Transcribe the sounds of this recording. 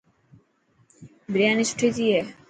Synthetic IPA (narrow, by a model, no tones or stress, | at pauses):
bɾianisʈʰit̪ije